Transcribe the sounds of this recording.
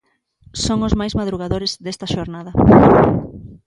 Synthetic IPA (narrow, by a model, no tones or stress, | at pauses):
soŋʊzmajzmaðɾuɣaðoɾezðest̪ɐʃoɾnaðɐ